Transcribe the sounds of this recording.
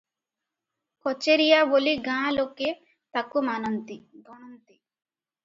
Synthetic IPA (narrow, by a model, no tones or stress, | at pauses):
kɔt͡ʃeɾijaboliɡãːloke | t̪akumanɔnt̪iɡɔɳ̃ɔnt̪i